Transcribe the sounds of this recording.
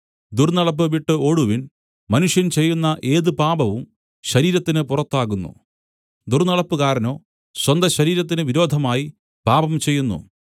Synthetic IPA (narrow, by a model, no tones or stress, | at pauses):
d̪urnɐɭɐp̬ːɨʋiʈːɨo̞ɽuʋin | mɐnuʂjɐnt͡ɕe̞jːunːɐʔe̞ːðɨpaːbɐʋum | ɕɐɾiːɾɐt̪ːinɨpurɐt̪ːaːɣunːṵ | d̪urnɐɭɐpːɨkaːɾɐno̞ː | ɕwɐnd̪ɐɕɐɾiːɾɐt̪̬ːinɨʋiɾo̞ːd̪ʱɐmaːji | paːbɐmt͡ɕe̞jːunːṵ